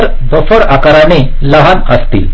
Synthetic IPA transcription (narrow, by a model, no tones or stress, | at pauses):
ɾ | d̪ɔsɔɽakaɾane | ləɦanə̰st̪ḭl